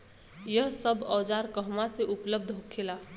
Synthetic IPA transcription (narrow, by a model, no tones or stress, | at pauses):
jəɦsəbɔːd͡ʒaɾkəɦmaseʔupləb̚d̪ʱɦokʰela